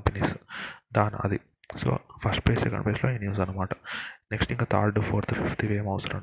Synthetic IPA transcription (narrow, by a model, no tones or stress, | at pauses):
mpeniːsd̪aːnɐ̰d̪i | so̰ːpʰɐsʈ̚pleːssekɐ̰ɳɖpleːsloːenjuːzɐnːɐmaːʈɐ̥neksʈiŋkat̪ʰa̰ːɾɖpʰoːɾt̪ʰufift̪ʰiʋeːmɐʋsɐɾɐ̰